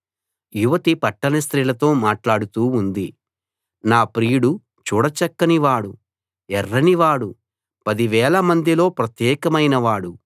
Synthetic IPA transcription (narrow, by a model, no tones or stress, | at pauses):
juʋɐt̪ipɐʈːɐnɐst̪ɾiːlɐt̪o̞ːmaːʈlaːɽut̪uːnd̪i | naːpɾiːjuɽu | t͡ʃuːɽɐt͡ʃɐkːɐniʋaːɽu | ɛrːɐniʋaːɽu | pɐd̪iʋɛːɭɐmɐnd̪ilo̞ːpɾɐt̪jɛːkɐmɐjnɐʋaːɽu